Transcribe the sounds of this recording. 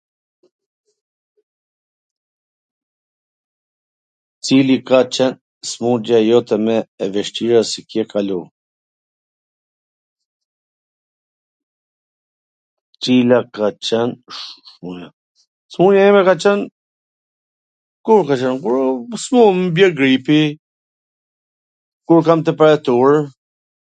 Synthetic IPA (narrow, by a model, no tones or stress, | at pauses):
t͡silikat͡ʃɛn | smud͡ʒajɔt̪ʰɛmɛːvɛʃt̪iɾasikjɛkʰalu | t͡silakat͡ʃɛnʃmua | smuɲjaɛmɛkat͡ʃɛn | kuɾkat͡ʃɛnkuɾsmumbjɛɡɾipi | kuɾkamt̪̬əpaɾɛt̪uaɹ